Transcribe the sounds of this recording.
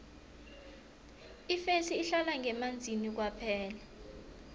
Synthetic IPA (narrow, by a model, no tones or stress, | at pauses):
ifesiːɬalaŋɡʱɛmand͡zʱinik̬wapʰɛːla